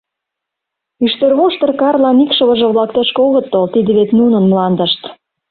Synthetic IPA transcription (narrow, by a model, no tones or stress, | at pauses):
yʃt̪ørβoʃt̪ə̆rkɑrlɑnikʃə̆βə̆ʒɤ̆βlɑkt̪ɑʃkoɣət̪ːolt̪id̪ə̆βet̪nunənmlɑnd̪ə̆ʃt̪